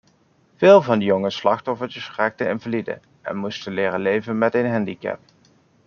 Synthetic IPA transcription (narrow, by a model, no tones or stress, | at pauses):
v̥ɪːlˠvɑndəjoŋəslɑxtɔfəɹtəsraːk̚təɪ̰nvəlidə̰ | ɛ̰nmustənlɪːrəlejvənmɛtejnɦɛndikɛ̰p̚